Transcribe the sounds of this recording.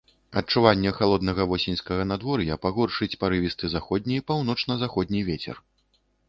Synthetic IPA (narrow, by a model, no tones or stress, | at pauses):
ɐt̚t͡ʂuvanʲːɛxalˠɔd̪nɐɣɐvɔsʲɛnʲskɐɣɐnad̪vɔɾjɐpaɣɔrʂɨt͡sʲpaɾɨvʲist̪ɨzaxɔd̪ʲnʲijpawnɔt͡ʂnɐzaxɔd̪ʲnʲivʲet͡sʲɛ̰r